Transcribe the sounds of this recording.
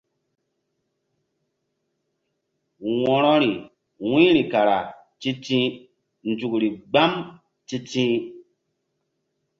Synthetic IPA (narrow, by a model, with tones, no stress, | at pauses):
wɔ˨ɾɔ˦ɾi˨ | wĩ˦ɾi˨ka˨ɾa˨ | ti˦tĩ˦ | n̩˨tu˨kɾi˨ɡ͡ba˦m | ti˦tĩ˦